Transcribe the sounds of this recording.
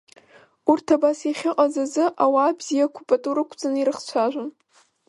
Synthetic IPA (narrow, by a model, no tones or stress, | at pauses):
urtʰabasiχʲɪqʼazazɨʔawaːbz̥ijakʷʰupʼatʼuɾɨkʷʰd͡zʼaniɾɨχt͡ɕʷʰaʒʷʊn